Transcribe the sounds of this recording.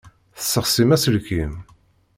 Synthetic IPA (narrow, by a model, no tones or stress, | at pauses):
θəsːəχsimæsəlkim